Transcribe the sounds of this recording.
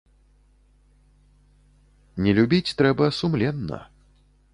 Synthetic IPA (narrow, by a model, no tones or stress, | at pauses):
nʲɛlʲubʲit͡sʲt̪ɾɛbɐsumlʲɛnːɐ̰